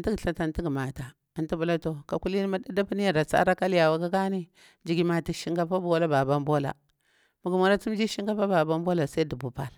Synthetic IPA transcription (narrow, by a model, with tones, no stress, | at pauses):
n˦ti˦ɡɬa˨ta˨nti˦ɡma˨ta˨ | a˨n˦ti˦bu˨la˦to˨ka˨ku˦li˦ni˦ma˦da˦da˦pi˦ni˦ja˨ɾa˨t͡sa̰˦ɾa˦ka˦lja˨wa˨ka˦ɡa˦ni˦ | d͡ʒi˨ɡi˦ma˨ti˨ʃi˦ŋɡa˦pa˦bo˦la˦ba˨ba˦mbo˦la̰˨ | mu˨ɡu˨mo˨ɾa˦t͡su˦m˦d͡ʒi˦ʃi˦ŋɡa˦pa˦ba˨ba˦mbo˦la˨sa˦i˦di˨bu˨pa˨l